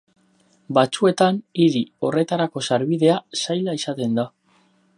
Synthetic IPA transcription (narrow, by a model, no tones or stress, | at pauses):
bat͡sue̞t̪aniɾio̞re̞t̪aɾako̞saɾβiðe̞asajlaisat̪e̞nd̪a